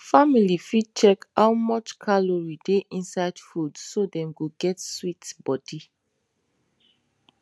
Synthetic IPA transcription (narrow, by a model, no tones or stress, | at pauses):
familifit͡ʃɛkawmɔt͡ʃkʰaloɹideʔĩnsaɪdfudsodɛ̃mɡoɡɛtswitbɔdi